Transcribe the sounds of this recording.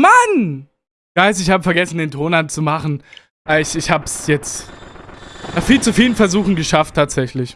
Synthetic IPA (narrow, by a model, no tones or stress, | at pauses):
man | ɡ̥aɪsɪçhaːbəfɛɐɡɛsn̩deːntʰoːnant͡sumaχn̩ | d̥aɪçɪçhaːbəsjɛt͡st | naːχfiːlt͡sufiːlənfɛɐzuːxn̩ɡəʃaftʰːaːtz̥ɛçlɪç